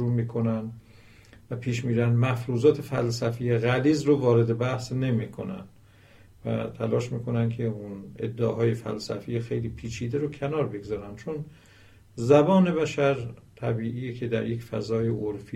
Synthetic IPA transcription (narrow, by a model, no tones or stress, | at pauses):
ɾuːmiːkʰo̞nænd̪ | væpʰiːʃmiːɾænd̪mæfɾuːzɒːt̪ʰe̞fælsæfijeɣæliːzɾovɒːɾe̞d̪e̞bæhsne̞miːkʰo̞næ̰nd̪ | væ̰t̪ʰælɒːʃmiːkʰo̞nænd̪kʰe̞unḛd̪ːeɦɒːje̞fæ̰lsæ̰fijexe̞jliːpʰiːt͡ʃʰiːd̪eɾocʰenɒːɾbeɡzɒːɾænd̪̥t͡ʃʰo̞n | zæbɒːne̞βæʃæɾt̪ʰæbiːʔiːjecʰe̞d̪æɾje̞cfæ̰zɒːjeʔoɾfi